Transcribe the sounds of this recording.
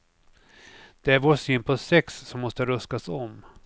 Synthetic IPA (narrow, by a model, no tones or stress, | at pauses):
d̪̥ɛæɾvoːsɪnpʰɔsɛksːɔmːɔst̪əɾɵst̪asɔm